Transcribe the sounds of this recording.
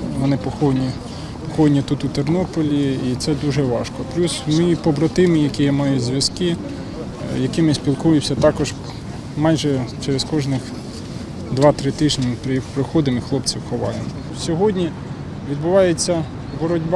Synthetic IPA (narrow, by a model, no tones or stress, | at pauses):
ʋɔnɪpɔxɔnʲi | pɔxɔjnʲit̪ut̪ʊt̪ernɔpɔlʲiit̪sɛd̪uʒɛʋɑʃkɔplʲusmɪpɔbɾɐt̪ɪmɪjɐkɪjɐmɑjʊzʲʋʲjɐskɪ | jɐkɪmɪsʲpʲilˠkujʊsʲɐt̪ɑkɔʒ | mɑjʒɛt͡ʃɛɾeskɔʒnɪx | d̪ʋɑt̪ɾɪt̪ɪʒnʲimpɾɪjixpɾɪxɔd̪ɪmixlˠɔpt͡sʲiwxɔʋɑjemɔ | sʲɔɦɔdʲnʲi | ʋʲid̪bʊʋɑjet͡sʲːɐ | bɔɾɔdʲb